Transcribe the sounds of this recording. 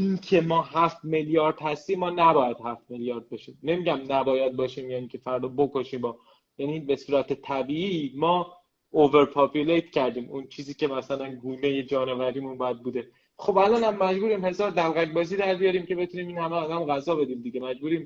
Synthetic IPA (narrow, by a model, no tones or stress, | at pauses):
ʔincʰe̞mɒːɦæft̪meljɒːɾd̪̥hæst̪iːmːɒːnæbɒːjæd̪̥hæft̪meljɒːɾd̪̚beʃiːmne̞miɟæmnæbɒːjæd̪̚bɒːʃiːmjæːiːcʲʰe̞fæɾd̪ɒːbokoʃiːmɒː | jænibe̞suːɾæt̪ʰet̪ʰæbiːimɒː | ove̞ɾpʰɒpʰulejt̪cʰæɾd̪iːmunt͡ʃʰiːziːcʰe̞mæsælænɡuːneje̞d͡ʒɒːnevæɾiːmunbjæd̪̚buːd̪e | xo̞bælɒːnhæmːæd͡ʒbuːɾiːmhe̞zɒːɾd̪ælɣækbɒːziːd̪æɾbijɒɾiːmcʰe̞be̞t̪ʰuniːmiːnhæmeɒd̪æmɣæzɒːbe̞d̪iːmd̪iɟemæd͡ʒbuːɾiːm